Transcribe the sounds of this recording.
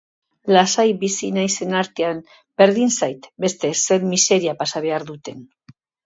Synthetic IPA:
lasajbisinajse̞naɾt̪e̞am | be̞ɾðinsajt̪be̞st̪e̞se̞nmise̞ɾiapasaβe̞aɾðut̪e̞n

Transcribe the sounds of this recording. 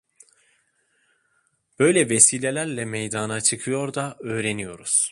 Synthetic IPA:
b̥ø̞jlʲɛvesiːlʲelʲæɾlʲɛmejd̪aːnat͡ʃʰɯkʰɯjo̞ɾd̪aøːɾe̞nijo̞ɾuz̥

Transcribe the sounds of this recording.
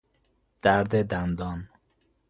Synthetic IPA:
d̪̥æɾd̪ed̪and̪ɔːn

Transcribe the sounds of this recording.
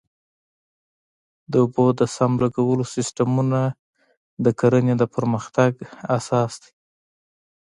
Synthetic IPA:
d̪əʊbod̪əsamlaɡawəlosɪsʈamuna | d̪əkaɾəned̪əpəɾməxt̪aɡasɑsd̪i̥

